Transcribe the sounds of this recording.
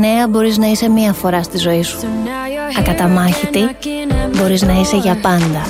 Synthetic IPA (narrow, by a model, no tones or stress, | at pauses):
ne̞ɐbo̞ɾiznɐise̞miɐfo̞ɾɐst̪izo̞isu̥ | ɐkɐt̪ɐmɐçit̪ibo̞ɾiznɐise̞ʝɐpɐnd̪ɐ